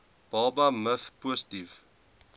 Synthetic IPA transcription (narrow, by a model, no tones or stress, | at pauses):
b̥ɑːbɐməfpusə̥tif